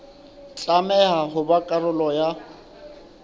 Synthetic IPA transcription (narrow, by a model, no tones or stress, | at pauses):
t͡ɬʼamɛɦaɦʊbakʼarʊlɔja